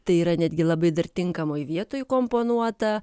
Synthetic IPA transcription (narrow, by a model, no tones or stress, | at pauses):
t̪ɐɪiːɾɐnʲæd̪ʲɡʲɪlˠɐbɐɪd̪ɐrt̪ʲɪŋkɐmoːjʋʲiɛt̪oːjkoːmpoːnuɔt̪ɐ